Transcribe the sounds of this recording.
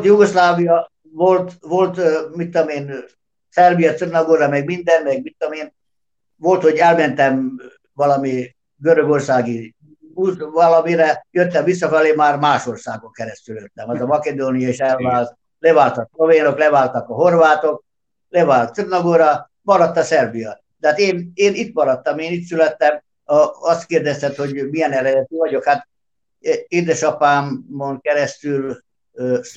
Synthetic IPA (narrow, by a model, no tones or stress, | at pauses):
t̪juɡoslaːvijɒ | vo̞lt̪vo̞lt̪mit̪ːomeːn | sɛrbijɒt̪sirnɒɡoːɾɒmɛɡmind̪ɛnmɛɡ̚mit̪ːoomeːn | vo̞lt̪ho̞ɟɛlmɛnt̪ɛm | vɒlɒmi | ɡøɾøɡo̞rsaːɡi | uzvɒlɒmiɾɛjøt̪ːɛɱvis̬ːɒfɛleːmaːrmaːʃo̞rsa̰ːɡoŋkɛɾɛst̪yljøt̪ːɛmɛzɒmɒked̪oːnijɒeʃɛlvaːlt̪̚ | lɛvaːlt̪ɒksloveːnoklɛvaːlt̪ɒkɒɦo̞rvaːt̪o̞k̚ | lɛvaːlt̪surnɒɡoːɾɒ | mɒɾɒt̪ːɒsɛrbijɒ | t̪ɛaːt̪eːneːnit̪mɒɾɒt̪ːɒmeːnit̪sylɛt̪ːɛm | ɒst̪keːrd̪ɛst̪ɛt̪ho̞ɟmiɛnɛɾɛd̪ɛt̪yvɒɟo̞khat̪ | eːd̪ɛʃɒpaːmːoŋkɛɾɛst̪yl